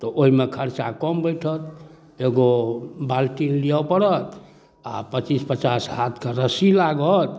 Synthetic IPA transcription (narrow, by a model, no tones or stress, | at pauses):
t̪ɔʔoɦimekʰəɾt͡ʃakɔmbəjʈʰət̪ | eɡobalʈinliawpəɽət̪ | apət͡ʃispət͡ʃasɦat̪ʰkeɾəsilaɡət̪̚